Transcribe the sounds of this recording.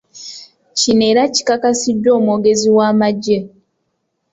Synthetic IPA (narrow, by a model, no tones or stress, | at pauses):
cineːɾaci̥kakasiɟːo̞ːmwoɡe̞ziwaːmaɟe